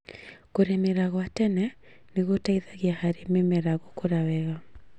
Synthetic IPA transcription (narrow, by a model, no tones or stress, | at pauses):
koɾemeɾaɣɔatɛnɛ | neɣotaiðaɣiahaɾememeɾaɣokoɾawɛɣa